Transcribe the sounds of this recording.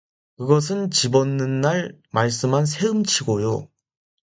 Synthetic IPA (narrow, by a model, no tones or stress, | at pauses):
kɯɡʌs̬ʰɯnt͡ɕibʌnːɯnːaɭmaɭs͈ɯmɦans̬ʰeɯmt͡ɕʰiɡojo